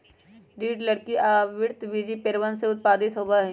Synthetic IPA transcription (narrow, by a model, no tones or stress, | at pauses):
ɖiːʈlɐɽkiaːʋɪɾt̪ʋid͡ʒipeɾʋənseʊt̪̚paːd̪ɪt̪ɦoːbaɦɛː